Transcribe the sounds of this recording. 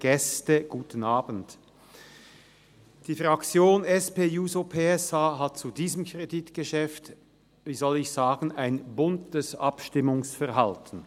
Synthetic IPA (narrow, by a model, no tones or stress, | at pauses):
ɡ̥ɛstəɡ̥uːtənaːbn̩t | d̥iːfʁakt͡sjoːnɛspeːjuːzopʰeːɛsaːɦat̚t͡sudiːzəmkʰʁ̥editɡ̥əʃɛft | viːzɔlɪçz̥aːɡn̩aɪnbʊntəsʔa̰pʃtɪmʊŋsfɛɐɦaltʰn̩